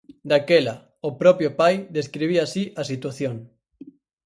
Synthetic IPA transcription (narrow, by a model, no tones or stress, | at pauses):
d̪akela | opɾɔpjopajðeskɾiβ̞iasiʔasit̪waθjoŋ